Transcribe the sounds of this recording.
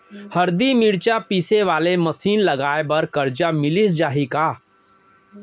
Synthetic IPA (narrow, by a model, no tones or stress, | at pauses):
hɐɾd̪imɪɽt͡ʃapiːseʋaːleməsiːnlɐɡaːebɐɾkəɾd͡ʒamɪlisd͡ʒaːɦikaː